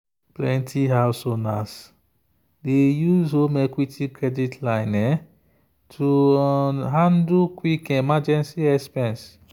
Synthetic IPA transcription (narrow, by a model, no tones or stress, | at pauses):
plɛ̃ntʰiɦalsonas | dejuzomɛkwitʰikɹɛditʰlaɪnɛ | tʰu | ɦãndukwikɛ̃mad͡ʒɛ̃nsiɛkspɛ̃ns